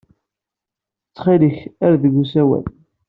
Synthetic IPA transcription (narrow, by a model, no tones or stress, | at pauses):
ət͡sːχiləçæɾðəɡusæwæ̰l